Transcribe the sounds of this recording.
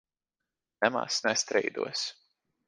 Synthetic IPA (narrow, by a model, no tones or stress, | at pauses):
nɛma̰snɛst̪ɾɛ̰jd̪ṵɔs